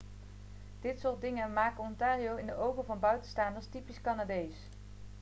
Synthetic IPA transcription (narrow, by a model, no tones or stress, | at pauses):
d̥ɪtsʊːɹt̚dɪŋəmaːkɔntaːriowɪndəʔowɣəvɑnbœɥtənstaːndəɹstipiskanaːdejs